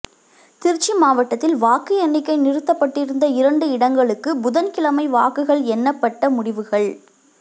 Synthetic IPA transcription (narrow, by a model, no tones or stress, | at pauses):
t̪ɪɾt͡ʃːimaːʋɐʈːɐt̪ːɪlʋaːkɯjɛnːɪkːɐɪnɪrɯt̪ːɐpːɐʈːɪɾɯnd̪ɐɪɾɐɳɖɯɪɽɐŋɡɐɭɯkːɯbʊðɐnkɪlɐmɐɪʋaːkɯɣɐɭɛnːɐpːɐʈːɐmʊɽɪʋɯɣɐɭ